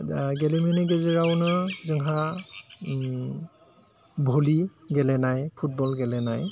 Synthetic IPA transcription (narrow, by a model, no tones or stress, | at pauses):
ɡɛlɛminiɡɛzɛɹawnɯzɯŋɦa | bʱoliɡɛlɛnajpʰut̚bɔlɡɛlɛnaj